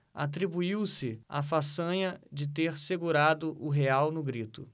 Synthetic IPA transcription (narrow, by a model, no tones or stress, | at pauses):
a̰t̪ɾibuiwsɪa̰fasɐ̃ɲɐd͡ʒɪt̪eɾseɡuɾad̪ʊʔʊɦeawnʊɡɾit̪ʊ̰